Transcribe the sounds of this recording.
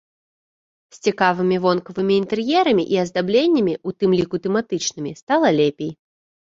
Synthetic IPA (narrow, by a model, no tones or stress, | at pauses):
sʲt͡sʲikavɨmʲivɔnkɐvɨmʲiːnt̪ɛrjɛɾɐmʲiʔiɐzd̪ablʲenʲːɐmʲiut̪ɨmlʲikut̪ɛmat̪ɨt͡ʂnɨmʲist̪alˠɐlʲepʲej